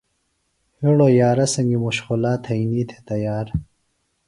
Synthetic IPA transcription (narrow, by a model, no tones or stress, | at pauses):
hiɽojaːɾɐsɐŋɡimuɕxulaːt̪ʰɐjniːt̪ʰe̥t̪ɐjaːɾ